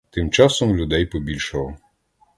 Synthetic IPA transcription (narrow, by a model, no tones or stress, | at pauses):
t̪ɪmt͡ʃɑsɔmlʲʊd̪ɛjpɔbʲilʲʃɔlˠɔ